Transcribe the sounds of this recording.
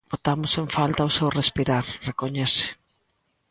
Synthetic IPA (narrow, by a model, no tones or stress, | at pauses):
bot̪amʊseɱfalt̪aosewrespiɾaɾrekoɲɛsɪ̥